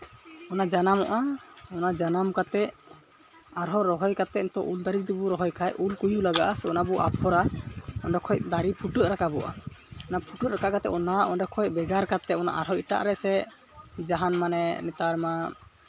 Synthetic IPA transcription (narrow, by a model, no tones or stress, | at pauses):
ɔnad͡ʒanamɔ̰ʔaɔnad͡ʒanamkat̪ɛ | aɾɦɔɾɔɦɔjkat̪ɛnt̪ɔʔuld̪aɾik̚d̪ibuɾɔɦɔjkʰajulkujulaɡa̰ʔasɛɔnabɔʔa̰pʰɔɾaɔ̰nɖɛkʰɔj̚d̪aɾipʰuʈəʔ̪̚ɾakabɔʔaɔnapʰuʈət̪ɾakaʔkat̪ɛ̰ʔɔnaʔɔnɖɛkʰɔj̚bɛɡaɾkat̪ɛɔna̰ʔaɾɦɔiʈa̰ʔɾɛsɛ | d͡ʒaɦanmanɛnɛt̪aɾma